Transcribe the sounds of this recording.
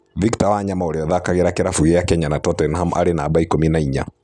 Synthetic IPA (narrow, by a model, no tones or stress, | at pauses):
viktawaːɲamaɔɾɛɔðakaɣɛɾakɛɾafuɣɛjakɛɲanatɔtɔnɦamʔa̰ɾɛnaːbaikɔminaiɲa̰